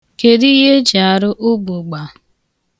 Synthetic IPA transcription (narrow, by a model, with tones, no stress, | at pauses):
ke˨ɾi˦ɦe˦d͡ʒa˨ɾʊ˦ʔʊ˦bʊ˨ɡ͡ba˨